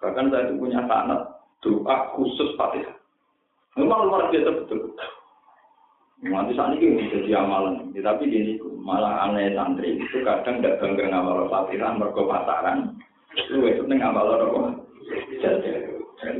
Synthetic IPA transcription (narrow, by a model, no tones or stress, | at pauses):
kakansajat̪upuɲasa̰na̰t̪̚d̪̥uʔaʔkusʊspa̰t̪iɾa | ŋmalalmaɾabiasab̥ət̪ʊlbət̪ʊ | want̪isa̰nikibid͡ʒad̪iamalənit̪apiɡit̪imalaŋa̰nasant̪ɾḭit̪ukad̥aŋdaʔb̥a̤ŋɡərŋamalɔpat̪iɾanmərɡ̥ɔpasa̰ɾan | luwesət̪̚nɪŋamalɔɾɔkɔ | d͡ʒ̥ad͡ʒaa